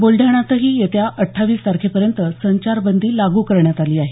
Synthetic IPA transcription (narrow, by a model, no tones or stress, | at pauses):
bolɖʱjaɽ̃at̪əɦiːjet̪jaʔəʈʰːaʋiːst̪aɾkʰepəɾjənt̪əsəɲt͡ɕaɾbənd̪ʱiːlaɡuːkəɾɳjat̪aliːaɦe